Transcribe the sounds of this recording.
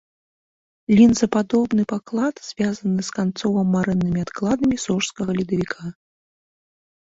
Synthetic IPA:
lʲinzɐpad̪ɔbn̪ɨpaklˠad̪z̥ʲvʲazɐnɨskant̪sɔvɐmːaɾɨnːɨmʲiat̪klˠad̪ɐmʲisɔʂskɐɣɐlʲid̪ɐvʲikʰa

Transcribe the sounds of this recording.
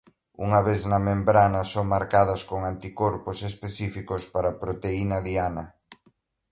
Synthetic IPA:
ṵŋɐβeθnɐmẽmbɾanɐsoŋmaɾkaðɐskoŋant̪ikoɾposespeθifikospaɾapɾot̪einɐðianɐ

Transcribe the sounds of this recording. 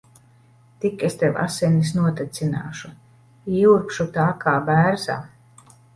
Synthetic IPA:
t̪ikest̪ewa̰senis̬nuɔt̪at̪sina̰ːʃu | iːuɾpʃut̪aːkaːbæːɾza̰ː

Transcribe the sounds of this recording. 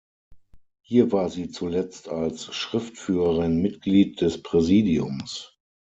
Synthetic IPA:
hiːɐvaːɐziːt͡sulɛt͡stʰalsʃʁ̥ɪftfyːʁəʁɪnmɪtɡ̥liːt̚d̥ɛspʁ̥ɛziːdiʊms

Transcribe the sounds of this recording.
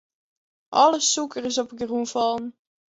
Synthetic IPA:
ʔɑləsukərɪsɔpəɡrunfɑlˠn

